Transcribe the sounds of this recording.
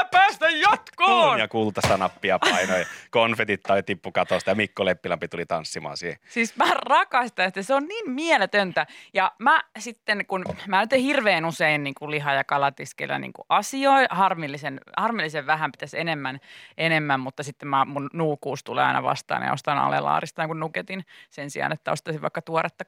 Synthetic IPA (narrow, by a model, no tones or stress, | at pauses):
pæːst̪æjjɑt̪koːɑkuːlut̪ːɑst̪ɑnɑpːiɑpɑinojkonfet̪it̪ːɑit̪ipːukɑt̪ost̪ɑjɑmikːolepːilɑmpit̪ulit̪ɑnsːimɑ̰ːnsihesiːsmærɑkɑst̪ɑnsi̥t̪ːeseonniːnmielet̪ønt̪æjɑmæsit̪ːenkunmænyt̪ehirʋeiːnuseinniːŋkuliɦɑjɑkɑlɑt̪iskḛlːæ̰nḭːŋkṵʔɑsioihɑrmilːisenhɑrmilːiseʋʋæhæmpit̪æsenemːænʔenemːæmmut̪ːɑsit̪ːemmæmunnuːkːuːst̪ulḛɑ̰inɑ̰ʋɑ̰st̪ɑ̰ːnj̰o̰st̪ɑnɑ̰lḛlɑ̰ːrist̪ɑjɑŋkunnuket̪insensḭɑ̰ːnet̪ːæost̪ɑsiʋʋɑ̰ikːɑt̪uoret̪ːɑ